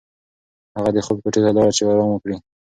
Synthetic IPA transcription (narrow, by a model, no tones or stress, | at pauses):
haɣad̪əxob̚kaʈezalɑɽat͡ʃewaɾɑməkɽi